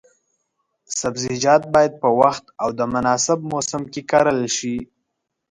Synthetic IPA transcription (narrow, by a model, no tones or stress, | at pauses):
sabzid͡ʒɑt̪̚bɑjad̪̚pəwaxt̪awd̪əmʊnɑsɪb̚mosɪmkekɑɾəlʃi